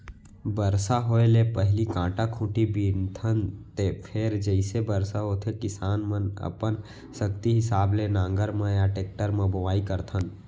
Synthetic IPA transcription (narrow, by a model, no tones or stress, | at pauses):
bəɾsaɦoelepəɦɪlikãːʈakʰũːʈibiːnt̪ʰənt̪epʰeːɾd͡ʒəɪsebəɾsaɦoːt̪ʰekɪsaːnmənə̰pən | səkt̪iɦɪsaːblenãːŋɡəɾmãjaʈeːk̚ʈəɾmãbəʋaːikəɾt̪ʰən